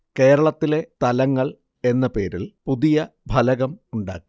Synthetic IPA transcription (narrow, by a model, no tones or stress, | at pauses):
ke̞ːɾɐɭɐt̪ːile̞t̪ɐlɐŋːɐɭ | e̞nːɐpe̞ːɾilpuðijɐbʱɐlɐɣɐmuɳɖa̰ːkːi